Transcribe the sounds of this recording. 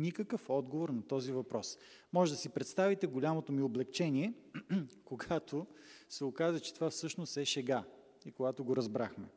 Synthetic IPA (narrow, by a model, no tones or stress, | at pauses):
nikəkəfɔd̪ɡovoɾnɐt̪ɔzivɐpɾɔs | mɔʒɛd̪ɐsipɾɛt̪st̪avit̪ɛɡolʲamot̪omioblɛkt͡ʃɛniɛ | koɡat̪ʰosɛokazət͡ʃɛ̥t̪ovafsɤʃnost̪ɛʃɛɡa | ikoɡat̪oɡoɾɐzbɾaxmɛ